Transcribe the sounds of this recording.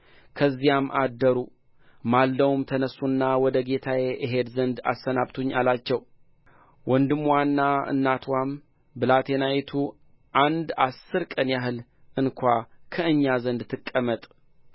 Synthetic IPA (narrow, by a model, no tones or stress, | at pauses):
kʰəzːijamʔad̪ːəɾu | malːəwmt̪ʰənəsːunːawɔd̪əɡe̞t̪ʰajeʔəɦe̞d̪zənd̪a̰sːənaβt̪ʰuɲːalat͡ʃːɛw | wɔnd̪ɨmwanːaɨ̰nːat̪ʰwam | bɨlat̪ʰe̞najet̪ʰu | ʔand̪asːɨɾkʼənjaɦɨl | ɨnkʰʷakʰəɨɲːazənd̪t̪ʰːɨkʼːəmət̪ʼ